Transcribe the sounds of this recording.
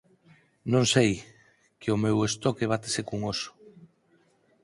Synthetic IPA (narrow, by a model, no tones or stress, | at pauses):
nõŋsej | keʊmewest̪ɔkeβ̞at̪e̥sekuŋoso̥